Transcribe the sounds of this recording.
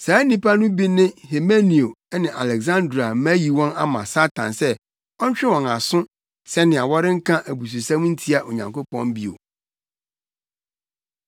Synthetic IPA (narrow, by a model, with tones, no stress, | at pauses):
saː˨˦nĩ˦pʰa˦nʊ̃˦bi˦nɪ̃˦he˨me˦ni˨o˨˦nɪ̃˨ʔa˨lɛ˨ɡsã˦ndɾa˨˦mæ˦ji˨wɔ̃˦na̰˦mã̰˨sa˦tʰã̰˨nsɛ˦ | ɔ˦ɲ˦t͡ɕᶣɪ˦wɔ̃˨na˨sʊ̃˦ | sɛ˦nɪ̃˨a˨wɔ˦ɾɪ̃˦ŋ̩˦kʰã˦ʔæ˨bu˨s̬u˨sã˦m˦n̩˦tʰi˦a˨ʔo˨ɲã̰˨ŋko˦pʰɔ̃˦mbi˦o̰˨